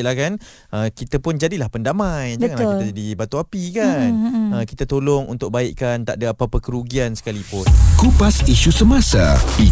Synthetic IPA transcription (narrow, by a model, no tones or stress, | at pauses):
lahkan | ʔəkit̪apʊnd͡ʒadilahpəndamajbəŋanlaakiad͡ʒadibat̪uapikanəkit̪at̪olɔŋʔṵnt̪ʊk̚baɪʔkant̪a̰ʔdaːpapəkəɾuɡiansə̥kalipʊnkupasiʃusəmasa̰i